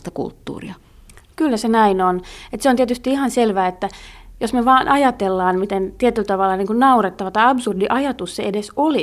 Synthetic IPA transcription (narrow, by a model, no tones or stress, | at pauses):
t̪ɑkṵlt̪ːṵːrḭɑ | kylːæsenæinonet̪seont̪iet̪yst̪iihɑnselʋæːet̪ːæjosmeʋɑːnʔɑjɑt̪elːɑːnmit̪ent̪iet̪ylt̪ɑʋɑlːɑniːŋkunnɑuret̪ːɑʋɑt̪ɑɑbsurdiʔɑjɑt̪ussḛedesoli